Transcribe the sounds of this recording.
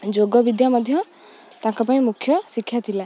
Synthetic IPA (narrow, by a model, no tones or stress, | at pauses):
d͡ʒoɡɔbid̪jamɔd̪ʱjɔ | t̪ãŋkɔpaĩmukʰːjɔsikʰːjat̪ʰila